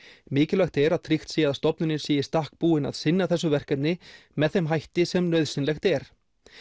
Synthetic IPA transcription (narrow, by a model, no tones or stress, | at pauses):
mɪːcɪlaxt̪ɛɾaðt̪ʰɾixt̪siːaðast̪ɔpnʏnɪɾ̥siːjɪ̥st̪ahk̚puːɪna̰ðsɪnːaθɛsːʏvɛr̥kat̪nɪmɛðθɛmɦajht̪ɪsɛmnœɥðsɪnlɛxt̪ɛɾ̥